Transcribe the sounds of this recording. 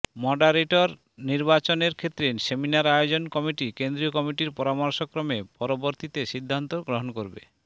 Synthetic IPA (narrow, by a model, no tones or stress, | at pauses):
mɔɖaɾeʈoɾ | niɾbat͡ɕoneɾkʰet̪ːɾenseminaɾajod͡ʑonkɔmiʈikend̪ɾiokɔmiʈiɾpɔɾamɔɾʃokːɾɔmepɔɾoboɾt̪it̪eʃid̪ʱːant̪oɡɾoɦonkoɾbḛ